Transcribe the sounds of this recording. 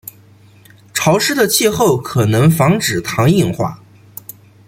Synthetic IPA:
ʈ͡ʂʰɑ˧˥ʊʂɻ̩˥d̪ə˨t͡ɕʰi˥˧xo˥˩ʊkʰɤ˨˩nɤ˧˥ŋfɑ˧˥ŋʈ͡ʂɻ̩˨˩t̪ʰɑ˧˥ŋi˥˩ŋxwa̰˥˩

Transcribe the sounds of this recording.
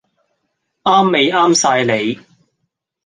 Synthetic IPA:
aː˥mːe˨jaː˥msaː˧jle˨˧j

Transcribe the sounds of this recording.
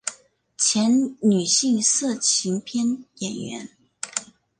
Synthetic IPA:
t͡ɕʰjɛ˧˥nny˨˩ɕi˥˧ŋsɤ˥˩t͡ɕʰi˧˥ŋpʰjɛ˥njɛ˨˩nɥɛ̰˧˥n

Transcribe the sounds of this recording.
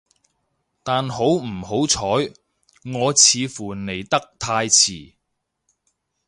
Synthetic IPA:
t̪aː˨nho˨˥wm̩˨˩ho˨˥wt͡sʰɔː˨˥j | ŋɔː˨˧t͡sʰiː˨˧fuː˨˩ne˨˩jt̪ɐ˥k̚t̪ʰaː˧jt͡sʰiː˨˩

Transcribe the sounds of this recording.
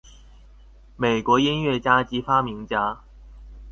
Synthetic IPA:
me˨˩ɪkwɔ˧˥i˥nɥɛ˥˩t͡ɕja˥t͡ɕi˧˥fa˥mi˧˥ŋt͡ɕja˥

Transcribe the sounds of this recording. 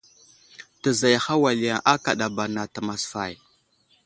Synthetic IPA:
ta˨za˨jxa˦wa˨li˨ja˨ŋʔa˦ka˨ɗa˨ba˨na˨ta˨ma˨sfa̰˨j

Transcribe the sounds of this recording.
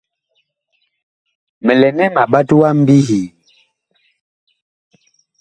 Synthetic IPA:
mɛ˨lɛ˨nɛ˦ma˨ɓa˦twa˦m̩˦bi˦hi˨

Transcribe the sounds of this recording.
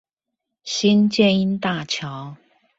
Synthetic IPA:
ɕi˥nt͡ɕjɛ˥˧ni˧˥nt̪a˥˨t͡ɕʰjɑ˨˦ʊ

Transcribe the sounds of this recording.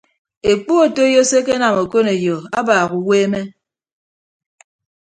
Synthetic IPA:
e˨k͡pu˦o˨to˦jɔ˦se˦k̬e˦na˨mo˨ko˦ne˨jo˨a˦baː˨ɣu˨weː˦me˦

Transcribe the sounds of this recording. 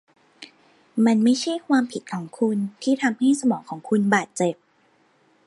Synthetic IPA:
ma˧nma˥˩jt͡ɕʰa˥˩jkʰwaː˧mpʰi˨˩t̪̚kʰɔː˩˦ŋkʰu˧nt̪ʰiː˥˩t̪ʰa˧mha˥˩jsa˧mɔː˩˦ŋkʰɔː˩˦ŋkʰu˧nbaː˨˩t̪̚t͡ɕe˨˩p̚

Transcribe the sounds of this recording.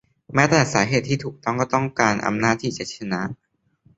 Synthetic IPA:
mɛː˦˥t̪ɛː˨˩saː˩˦ɦeː˨˩t̪ʰːiː˥˩t̪ʰuː˨˩k̚t̪ɔ˥˩ŋkɔː˥˩t̪ɔ˥˩ŋkaː˧nʔa̰˧mnaː˥˩t̪ʰːiː˥˩t͡ɕa˨˩t̪̚t͡ɕʰa˧na˦˥ʔ

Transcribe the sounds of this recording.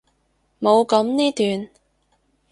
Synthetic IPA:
mo˨˧wkɐ˨˧˥mniː˥t̪yː˨n

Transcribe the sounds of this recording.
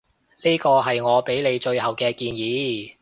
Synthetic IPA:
liː˥kɔː˧ɦɐ˨jŋɔː˨˧pe˨˥jle˨˧jt͡ʃɵ˧ɥhɐ˨wkɛː˧kiː˧njiː˨˧˦

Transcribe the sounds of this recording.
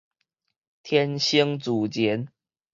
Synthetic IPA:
t̪ʰjɛ˦nɕi˦ŋt͡su˨˩t͡ɕjɛ˨˦n

